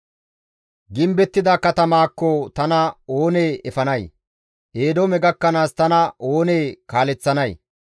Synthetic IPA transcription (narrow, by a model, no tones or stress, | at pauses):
ɡɪmbɛt̪ːɪd̪aːkɐt̪ɐmaːkːɔt̪ɐnɐo̞ːneːɛfɐnɐj | ʔe̞ːd̪ɔmɛɡɐkːɐnaːst̪ɐnɐo̞ːneːkaːlɛt͡sːɐnɐj